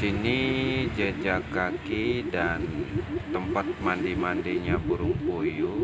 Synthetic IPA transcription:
sinid͡ʒəd͡ʒakakidant̪əmpat̪̚mandimandiɲabuɾuŋkuju

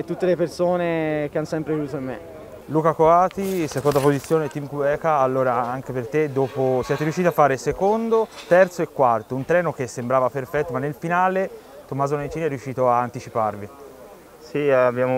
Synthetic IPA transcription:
et̪ːut̪ːelepersoːnekeanosɛmpɾeved̪uːt̪oimːḛ | luːkakoaːt̪isekond̪apozit̪sːjoːnet̪imkuɛːkaːlːoːɾaaŋkepert̪ed̪oːposjɛːt̪eɾijuʃːit̪afːaːɾesekond̪ot̪ɛrt̪soekːwart̪ount̪ɾɛːnok̟esːembɾaːvaperfɛt̪ːomanːelfinaːle | t̪omːaːzoment͡ʃ̪iːnɛrːjuʃːiːt̪oaːnt̪it͡ʃiparvi | siabjaːmo

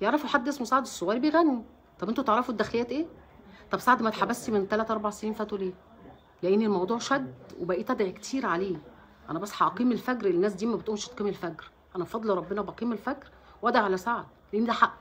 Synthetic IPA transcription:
jeʕɾˤɑfuħad̪ːʔesmosaʕed̪esˤːowɑːɾibejɣænːi | t̪ˤɑbʔent̪ot̪eʕɾˤɑfud̪æxlejːæːt̪ʔeːt̪ˤɑbsaʕd̪mæt̪ħabæst̪iment̪ælæːt̪ʔɑɾˤbaʕseniːnfæːt̪oleː | leʔenːilmɑwd̪ˤuːʕʃæd̪webæʔiːt̪ˤɑb̪ʕikt̪ʰiːɾʕaleː | ʔæ̰næbæsːħɑʔɑqiːmelfæɡɾelnːæːs̬d̪iːmæbet̪ʔomʃt̪qiːmelfæɡɾ | ʔænæbfɑd̪ˤlɾˤɑbːenɑbæqiːmelfækɾ | wʔæd̪æʕalæsaʕd̪ | leʔenːid̪æħʔ

